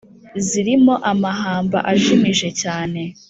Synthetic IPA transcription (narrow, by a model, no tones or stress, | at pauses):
ziɾimo̞ʔamaɦaːmba̰ʔaʒimiʒe̞caːne̞